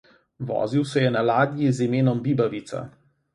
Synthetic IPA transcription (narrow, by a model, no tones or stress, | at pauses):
ʋɔ̰ːziwsɛjɛnalaːd̪jizimeːnɔmbiːbaʋit̪sa̰